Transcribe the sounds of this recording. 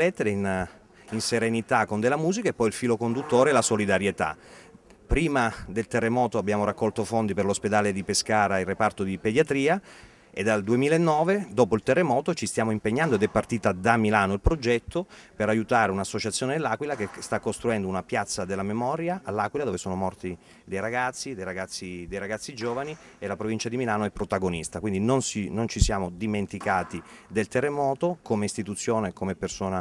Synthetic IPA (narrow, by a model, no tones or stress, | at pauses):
ɛt̪ːeɾein | inseɾenit̪akːond̪elamuːzikaepːɔjilfiːlokond̪ut̪ːoːɾeɛlasolid̪aɾjet̪a̰ | pɾiːmad̪elt̪erːemɔːt̪oabːjaːmoɾakːɔlt̪ofond̪iperlosped̪aːled̪ipeskaːɾailrːepart̪od̪iped̪jat̪ɾiːa | ed̪ːald̪uemiːlaenːɔːved̪ɔːpoilt̪erːemɔːt̪ot͡ʃist̪jaːmoimpeɲːand̪oed̪ɛpːart̪iːt̪ad̪amilaːnoilpɾod͡ʒɛt̪ʰːopeɾajut̪aːɾeunasːot͡ʃat̪sjoːned̪lːaːkwilakest̪akːost̪ɾuɛnd̪ounapjat̪sːad̪elːamemɔːɾjaʔalːaːkwilad̪oːvesoːnomɔrt̪i | d̪ejɾaɡat̪sːid̪ejɾaɡat̪sːid̪ejɾaɡat̪sːid͡ʒoːvani | elapɾovint͡ʃad̪imilaːnoɛpːɾot̪aɡonist̪akwind̪inonsinont͡ʃisjaːmod̪iment̪ikaːt̪id̪elt̪erːemɔːt̪okomeist̪it̪ut̪sːjoːnekomepːersoːna